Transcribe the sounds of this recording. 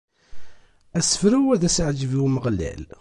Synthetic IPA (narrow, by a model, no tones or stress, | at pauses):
æsə̥fɾæwæðæsʕd͡ʒəviwməʁlːæ̰l